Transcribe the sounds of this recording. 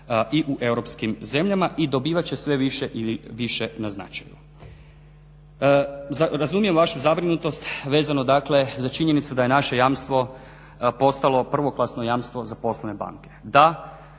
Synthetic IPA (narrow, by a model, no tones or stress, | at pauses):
iʔuʔe̞wɾo̞pskimze̞mʎamaʔid̪o̞biːʋat͡ɕe̞sʋe̞ʋiʃeʔiʋiʃe̞nazna̰t͡ʃajṵ | aɾazumije̞mʋaʃuzabɾinut̪o̞st̪ʋe̞ːzanod̪akle̞zat͡ʃiɲe̞nit̪sud̪ajenaʃe̞jamst̪ʋo̞ | po̞st̪alˠo̞pr̩ʋo̞klˠasnojaːmst̪ʋo̞zapo̞slˠaneba̰ŋke̞d̪a